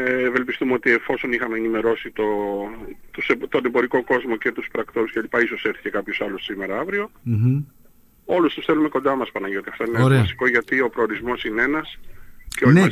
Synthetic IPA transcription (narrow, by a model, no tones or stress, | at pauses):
eve̞lpist̪umeo̞t̪ie̞fo̞so̞nixɐmeːnime̞ɾo̞sit̪o̞ | t̪usebt̪o̞ne̞bo̞ɾiko̞ko̞zmo̞ce̞t̪uspɾɐkt̪o̞ɾuscelipɐiso̞seɾθi̥ce̞kɐpço̞sɐlussime̞ɾɐɐvɾio̞ | o̞lust̪usθe̞lume̞kond̪ɐmɐspɐnɐʝio̞t̪iɐft̪o̞ineɾeɐsi̥ko̞ʝɐt̪io̞pɾoːɾizmo̞sinee̞nɐsceon